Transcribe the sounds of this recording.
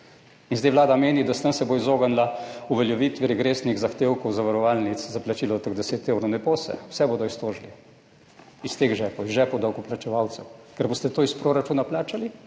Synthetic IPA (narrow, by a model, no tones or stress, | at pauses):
inzd̪ɛjʋlaːd̪ameːnid̪ast̪ənsɛboizoːɡanlauʋɛljɛʋiːt̪ʋiɾɛɡɾeːsniɣzaxt̪eːwkɔwzaʋaɾɔʋaːlnit̪szaplat͡ʃiːlɔt̪əɣd̪ɛseːt̪eːwɾɔwnɛpoːsɛ̰w̥sɛboːd̪ɔist̪oːʒli | ist̪eːxʒɛpɔizʒɛpɔwd̪awkɔplat͡ʃɛʋaːwt̪sɛwkɛɾboːst̪ɛt̪oːispɾoːɾat͡ʃuːnaplaːt͡ʃali